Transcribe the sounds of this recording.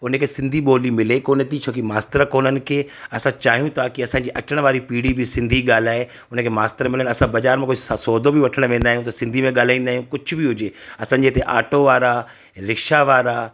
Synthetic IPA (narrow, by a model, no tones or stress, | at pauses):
ʊnəkʰeːsɪ̃nd̪ʱiɓoːlimɪlekoːnət̪it͡ɕʰoːkimaːst̪əɾkoːnənɪ̆kʰeːɐsãt͡ɕaːɦijũt̪ʰakiɐsãːɲd͡ʑiːʔɐʈəɽ̃ʋaːɾipiːɽibɪsɪ̃nd̪ʱiɠaːl̤aːɦe | ʊnəkʰeːmaːst̪əɾmɪlənɐsãbɐd͡ʑaːɾmẽkoːssoːd̪ʱõbɪʋɐʈʰəɽ̃ʋẽːn̆d̪aːɦijũt̪ɐsɪ̃nd̪ʱimẽɠaːl̤aːĩːnd̪aːɦjũkʊd͡ʑʱʊ̆bɪɦʊd͡ʑeːɐsãːɲd͡ʑeːt̪eʔa̰ːʈoʋaːɾa | ɾɪkʃaʋaːɾa